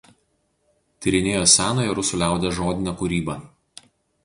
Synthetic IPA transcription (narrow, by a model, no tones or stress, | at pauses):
t̪ʲɪɾʲɪnʲeːjosʲæːnɐɪɾʊsʊːˑlʲæˑʊd̪ʲɛʒoːd̪ʲɪnʲɛkʊɾʲiːbɐˑ